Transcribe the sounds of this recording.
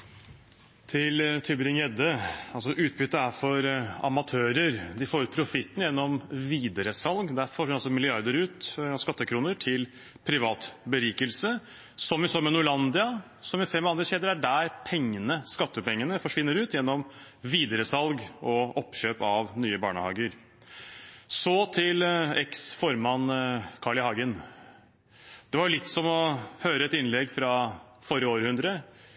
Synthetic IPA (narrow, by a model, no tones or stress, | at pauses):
t̪ʰɪlt̪ʰʏbəɾɪŋjɛd̪əɑlsɔʔʉːt̪̚bʏt̪ːəæɾfɔɾɑ̰mɑt̪ʰøːɾəɾd̪ɪfoːɾʉːt̪̚pʰɾʊfɪt̪ːnjɛnːɔmʋiːd̪əɾəsɑlɡd̪æfɔɪnɑlsɔmɪlɪɑɾd̪əɾʉːt̪skɑt̪ːəkʰɾuːnəʈʰɪl | pʰɾɪʋɑːt̪bəɾiːkəlsə | sɔmʋɪsoːmɛnʊɭɑnd̪ɪɑ | sɔmʋɪseːɾmɛɑnd̪ɾəseːd̪əɾæɖæɾpʰɛŋːənəskɑt̪ːəpɛŋːənəfɔʂʋɪnːəɾʉːt̪jɛnːɔm | ʋiːd̪əɾəsɑlɡɔɔpɕøːpɑʋnyːəbɑ̰ːɳəhɑ̰ːɡəɾ | sɔt̪ʰɪlɛksfɔɾmɑnkʰɑɭɪhɑːɡən | d̪̥ɛʋɑɾjʊlɪt̪ːsɔmɔhøːɾəɛt̪ɪnlɛɡfɾɑ | fɔɾəoːɾhʉnd̪ɾə